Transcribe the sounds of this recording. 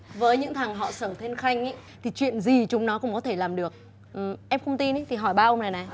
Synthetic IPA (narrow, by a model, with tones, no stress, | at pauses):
vəː˨˦jɲɨ̰˧˥ŋt̪ʰa˨˩ŋɦɔ̰˧˨səː˧˩t̪ʰe˧nxa˧jŋ̟ʔa˨˦ | t̪ʰi˨˩t͡ɕwḭ˧˨ənzi˨˩t͡ɕʊ˨˦ŋ͡mnɔ˨˦kʊ̰˧˥ŋ͡mkɔ˨˦t̪ʰe˧˩laː˨˩mɗɨ˨˩ək̚ | ʔʔɛ˧mxə˧wŋ͡mt̪i˧ni˨˦t̪ʰi˨˩ɦɔ˧˩jɓaː˧ʔə˧wŋ͡mna˨˩na˨˩j